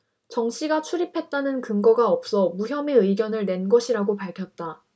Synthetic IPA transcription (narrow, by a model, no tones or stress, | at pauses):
t͡ɕʌŋɕ͈ʰiɡat͡ɕʰuɾipʰe̞t̚t͈anɯnkɯŋɡʌɡaʌp̚s͈ʌmuçjʌme̞ɯiɡjʌnɯɭne̞nɡʌɕʰiɾaɡopaɭkʰjʌt̚t͈a